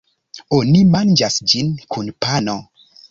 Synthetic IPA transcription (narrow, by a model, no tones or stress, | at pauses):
onimand͡ʒasd͡ʒinkʰunpano